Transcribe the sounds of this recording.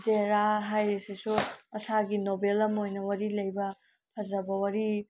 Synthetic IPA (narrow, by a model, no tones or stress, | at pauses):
zeɾaɦajɾesisuɐsaɡinobelɐmojnɐwɐɾilɐjbɐ | pʰɐzɐbɐwɐɾi